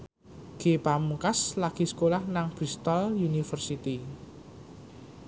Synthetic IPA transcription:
ɡ̥epamukaslaɡ̥i̤sə̥kolahnaŋb̥ɾist̪ɔljunifərsit̪i

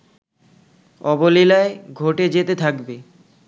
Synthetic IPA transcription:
ɔbolilaeɡʱoʈed͡ʑet̪et̪ʰakbe

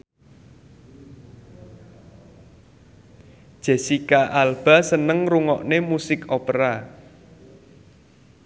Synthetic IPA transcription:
d̥ʒ̥ɛ̤sikaʔalb̥a̤sənəŋruŋɔʔnemusɪkopɾa

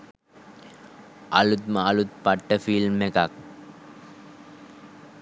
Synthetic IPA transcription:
ʔalut̪məalut̪̚paʈːəfilmːekak

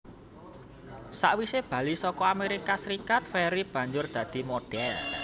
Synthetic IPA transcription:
saʔwiseb̥a̤lisɔkɔameɾikasɾikat̪̚feɾib̥ä̤ɲd͡ʒʊrd̪̥ä̤d̪̥i̤moɖ̥ɛl

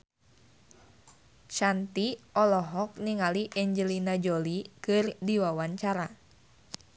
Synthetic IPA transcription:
ʃant̪iɔlɔɦɔk̚niŋaliʔɛɲd͡ʒəlinad͡ʒolikɨrdiwawaɲt͡ʃaɾa

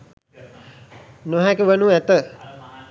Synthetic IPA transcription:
noɦakəʋənuɛt̪ə

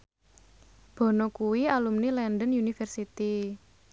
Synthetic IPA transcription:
b̥ɔ̤nokuwialumnilɛnɖənjunifɛrsit̪i

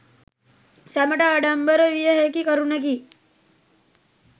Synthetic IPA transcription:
saməʈaːɽambəɾəʋijəɦekikəɾunək̬iː

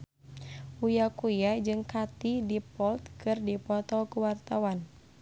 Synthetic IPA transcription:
ujakujad͡ʒɨŋkat̪idipɔlt̪kɨrdipɔt̪ɔkuwart̪awan

